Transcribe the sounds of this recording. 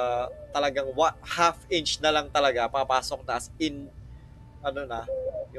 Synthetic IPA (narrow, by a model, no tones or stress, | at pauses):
t̪ɐlɐɡaŋwahafʔɪnt͡ʃnɐlɐŋt̪ɐlɐɡapapaːsok̚nɐʔɐsɪn | ʔɐnonɐjʊ